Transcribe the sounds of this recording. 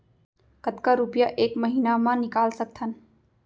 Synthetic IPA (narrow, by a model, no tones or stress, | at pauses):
kət̪kaɾupjaʔeːkməɦiːnamãnɪkaːlsək̚t̪ʰən